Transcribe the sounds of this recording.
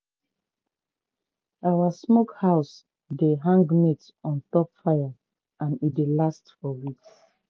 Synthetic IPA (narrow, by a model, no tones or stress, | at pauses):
awasmokhaʊs | deɦãŋɡmet | ɔ̃ntɔpfaja | ʔãnidelastfɔwiks